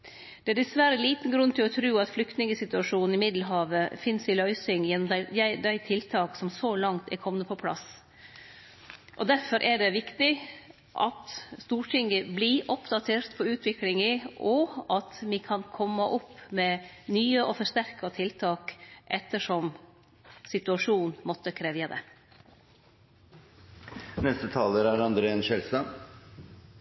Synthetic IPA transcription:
d̪̥ɛæɖ̪ɛsʋæɾəliːt̪n̩ɡɾʉnːt̪ʰɪlɔt̪ʰɾʉːɑt̪flʏkt̪nɪŋəsɪt̪ʉɑʂuːnn̩ɪmɪd̪l̩ɦɑːʋəfɪnsɪlœʏsɪŋjɛnːɔmd̪æd̪æɪd̪æɪt̪ʰɪlt̪ʰɑːksɔmsolɑŋt̪ʰɛ̰ɾkʰɔmnəpʰɔpʰlɑ̰s | ʔɔd̪æɾfɔɾʔɛɖɛʋɪkt̪ɪ | ʔɑt̪st̪uːʈʰɪŋɡəbliʔɔpd̪ɑt̪ʰeːɾt̪pʰɔʉːt̪ʰʋɪklɪŋəʔɔɑt̪mɪkʰɑnkʰɔmːɑʔʊpːmɛnyːəʔɔfɔʂt̪æɾkɑt̪ʰɪlt̪ʰɑːkʔɛt̪ːəʂɔm | sɪt̪ʉɑʂuːnnmɔt̪ːəkʰɾeːʋjɑd̪ɛ̰ | nɛst̪ət̪ʰɑːləɾæɾɑnd̪ɾəɛnɕɛlst̪ɑ

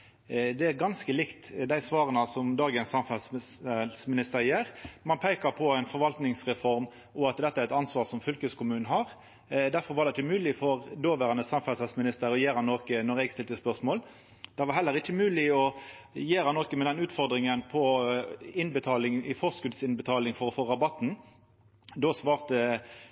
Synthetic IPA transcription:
d̪ɛæɾɡɑnskəlɪkt̪d̪æɪsʋɑːɾənəsɔmd̪ɑːɡənsːɑmfɑlssɛlsmɪnɪst̪əɾjeːɾmɑnpʰæɪkɑɾpʰɔæɪnfɔɾʋɑlt̪nɪŋsʁɛfɔɾm | ʔɔɑt̪d̪ɛt̪ːəæɾɛt̪ɑnsʋɑːʁsɔmfʏlkəskʊmʉːnn̩hɑɾ | d̪æɾfɔɾʋɑɾɖɛɪt͡ʃːəmʉːlɪfɔɾd̪oːʋæʁɑnəsɑmfɑlsɑlsmɪnɪst̪əɾɔjeːɾɑnːoːkənɔɾɛɡst̪ɪlt̪əspœʁsmoːl | d̪̥ɛʋɑɾɦɛlːəɾɪçːəmʉːlɪɔ | jeːɾɑnːoːkəmɛd̪ɛnʉːt̪fɔɾd̪ɾɪŋənpʰɔ | ɪnbət̪ʰɑːlɪŋɪfɔskʉd̪sɪnbət̪ʰɑːlɪŋfɔɾɔfoːʁɑbɑt̪n̩ | d̪oːsʋɑːʁt̪ə

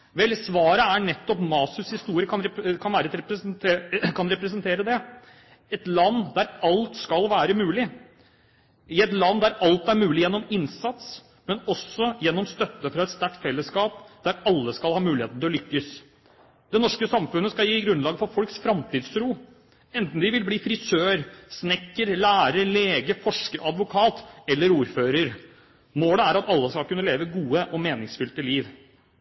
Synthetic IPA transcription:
ʋɛlsʋɑːɾəæɳɛt̪ːɔpmɑːsʉshɪst̪uːɾɪəkʰɑnɾkʰɑnʋæːɾət̪ɾɛ | kʰɑnɾɛpɾəsənt̪ʰeːɾəd̪ɛ | ɛt̪lɑnːd̪æɾɑlt̪skɑlʋæːɾəmʉːlɪ | ɪɛt̪lɑnːd̪æɾɑlt̪æɾmʉːlɪjɛnːɔmɪnsɑt̪s | mɛnɔsːɔjɛnːɔmst̪œt̪ːəfɾɑɛt̪st̪æk̚t̪fɛlːəskɑːpd̪̥æɾɑlːəskɑlhɑːmʉːlɪheːt̪n̩ɪlɔlʏkːəs | d̪̥ɛnɔʂkəsɑmfʉnːəskɑljiːɡɾʉnlɑːɡəfɔɾfɔlksfɾɑmt̪ʰiːd̪sɾuː | ɛnt̪n̩d̪ɪʋɪlbliːfɾɪsøːɾsnɛkːəɾlæːɾəɾleːɡəfɔʂkəɾʔɑd̪ʋʊkʰɑːt̪ɛlːəɾuːɾføːɾəɾ | moːləæɾɑt̪ɑlːəskɑlkʉnːəleːʋəɡuːəʔɔmeːnɪŋsfʏlt̪əliːʋ

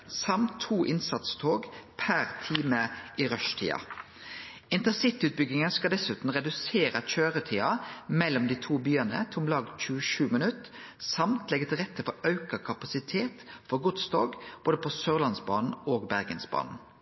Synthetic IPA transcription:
sɑmt̪ʰːuːʔɪnsɑt̪st̪ʰoːɡpʰæɾt̪ʰiːməʔiɾœʂt̪ʰḭːɑ̰ | ɪnt̪əsɪt̪ːʉːt̪̚bʏɡɪŋənskɑd̪ɛsʉːt̪n̩ʁɛd̪ʉseːɾəc͡çøːʁət̪ʰiːɑmɛlːɔmd̪iːt̪ʰuːbyːənə̰t̪ʰʊmlɑːɡc͡çʉːəʃʉːmɪnʉt̪ | sɑmt̪lɛɡət̪ʰɪlʁɛt̪ʰːəfɔɑʉkɑkʰɑpɑsɪt̪ʰeːt̪fɔɾɡʊt̪sd̪ɑ̰ːɡb̥oːd̪əpʰɔsøːʁlɑnsbɑ̰ːnn̩oːɡbæʁɡənsbɑ̰ːnn̩

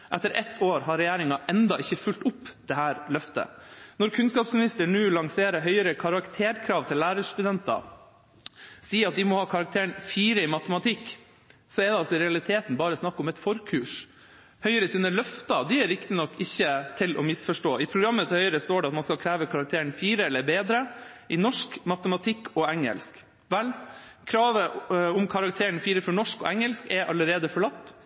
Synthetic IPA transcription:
ʔɛt̪ːəɾʔɛt̪ʰːoːɾɦɑɾːɛjæːɾɪŋɑʔɛnd̪ɑʔɪçːəfʉlt̪ʊpːd̪̥ɛɦæːɾlœft̪ə̰nɔɾkʰʉnskɑːpsmɪnɪst̪əɳʉːlɑŋseːɾəɦœʏəɾəkʰɑɾɑkt̪ʰeːɾkʰɾɑːʋt̪ʰɪlːæːɾəʂt̪ʉd̪ɛnt̪ɑ̰ | siːɑt̪̚d̪ɪmɔhɑːkʰɑɾɑk̚t̪ʰeːəɳfiːɾəɪmɑt̪əmɑt̪ʰɪkː | sɔɛɾd̪ɛɑlsɔɪɾɛɑlɪt̪ʰeːt̪n̩bɑːɾəɔsnɑkːɔmɛt̪fɔɾkʰʉːʂ | hœʏəɾəsiːnəlœft̪ɑd̪ɪæɾɾɪkt̪ɪnɔkːɪçːət̪ʰɪlʔɔ̰mɪsfɔʂʈoːɪpʰɾʊɡɾɑmːət̪hœʏəɾəst̪oːɖɛɑt̪mɑnskɑlkʰɾæːʋəkʰɑɾɑkt̪ʰeːəɳfiːɾəɛlːəɾbeːd̪ɾəʔɪnɔʂkmɑt̪əmɑt̪ʰɪkːɔɛŋə̰lsk | ʋɛl | kʰɾɑːʋəʊmkʰɑɾɑk̚t̪ʰeːəɳfiːɾəfɔɳɔʂkɔ̰ʔɛŋːəlskɛɾʔɑlːəɾeːd̪əfɔɭɑt̪ː

